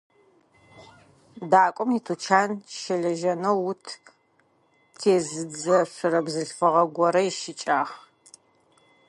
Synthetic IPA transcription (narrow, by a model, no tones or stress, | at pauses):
daːkʷʼɔmitʰut͡ʃʰaːnʃɐɮɐʒɐnɐwːʊtʰ | tʰeːzɨd͡zɐɕʷʊrɐbzɨɬfɐʁɐɡʷɔɾɐjɪʃɪt͡ʃʼaːχ